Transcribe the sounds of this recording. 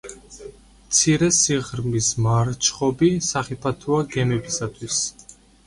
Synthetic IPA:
mt̪sʰiɾɛsiʁɾmismaɾt͡ʃʰχɔbisaχɛpʰat̪ʰuaɡɛmɛbisat̪ʰwis

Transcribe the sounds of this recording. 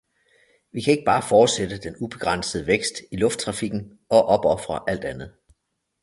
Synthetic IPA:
ʋikʰæe̝ɡ̥əb̥ɑ̈ːfɒːd̥sed̥əd̥enub̥e̝ɡ̥ʁɑn̰səð̩ˠəʋeɡ̥sd̥ilɔ̽fd̥̚t͡sʰʁɑ̈fiɡ̥n̩ | ɒ̽ʔɒ̽b̥ɒ̽fʁɐʔæl̰d̥ænð̞̩ˠ

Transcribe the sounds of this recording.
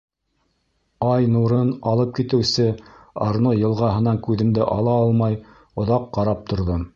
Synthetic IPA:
ɑjnuɾɤnɑlˠɤp̚kit̪ɘ̆wsɘɑ̰ɾnojɤ̆lˠʁɑɦɤ̆nɑŋkʉðɘ̆md̪ɘʔɑlˠɑɑlˠmɑj | ŏðɑqːɑɾɑp̚t̪ŏɾðo

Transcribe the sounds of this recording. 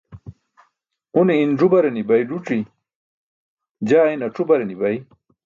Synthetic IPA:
uniːnʐubɐɾenibɐjɖuʈ͡ʂi | d͡ʑaːinɐʈ͡ʂubɐɾenibɐj

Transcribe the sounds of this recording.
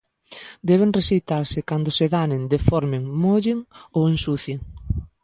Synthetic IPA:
d̪ɛβeŋresijt̪aɾsɪkand̪oseðanend̪efɔɾmɪŋmoʎɪŋowensuθjeŋ

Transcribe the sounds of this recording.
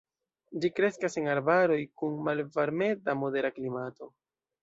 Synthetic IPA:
d͡ʒikɾe̞skase̞ŋaɾbaɾo̞jkunmalvaɾme̞damo̞de̞ɾaklimato̞

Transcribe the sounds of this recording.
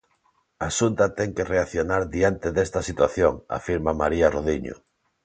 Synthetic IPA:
asunt̪ɐt̪ɛŋkereaθjonaɾðiant̪eðest̪ɐsit̪waθjoŋa̰fiɾmamaɾiaroðiɲo̰

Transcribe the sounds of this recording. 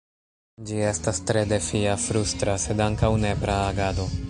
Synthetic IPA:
d͡ʒie̞stastɾe̞de̞fiafɾustɾase̞daŋkawne̞pɾaːɡado̞

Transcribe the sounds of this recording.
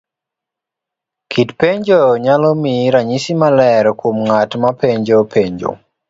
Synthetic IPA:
kʰitpeɲd͡ʒoɲalɔmiɾaɲisimalɛɾkwomŋatmapeɲd͡ʒopʰeɲd͡ʒo̰

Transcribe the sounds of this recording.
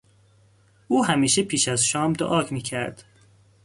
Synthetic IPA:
uːɦæmiːʃepʰiːʃæzʃɒːmd̪o̰ʔɒːcʰmiːcʰæɾd̪̥

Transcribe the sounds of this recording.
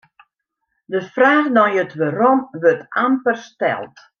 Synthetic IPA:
dəfraːxdɔnjətʋarɔmʋøtampərstɛ̰lˠt

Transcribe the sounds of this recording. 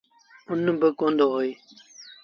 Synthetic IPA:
ʊnːəbəkoːnd̪oːɦoiː

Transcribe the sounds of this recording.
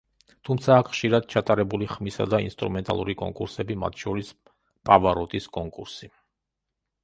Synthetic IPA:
t̪ʰumt̪sʰaːkʰχʃiɾad̪̚t͡ʃʰat̪ʼaɾɛbuliχmisa̰d̪aḭnst̪ʼɾumɛnt̪ʼa̰lˠuɾikʼɔ̰ŋkʼṵɾsɛbima̰t̪ʰʃɔɾis | pʼavaɾɔt̪ʼiskʼɔŋkʼuɾsi

